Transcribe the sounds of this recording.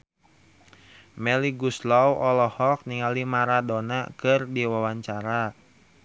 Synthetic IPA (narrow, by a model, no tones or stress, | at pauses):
mɛliɡuslawʔɔlɔhɔk̚niŋalimaɾadɔnakɨrdiwawaɲt͡ʃaɾa